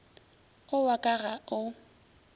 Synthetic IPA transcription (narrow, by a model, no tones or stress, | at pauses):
ʊwakʼaɣaʊ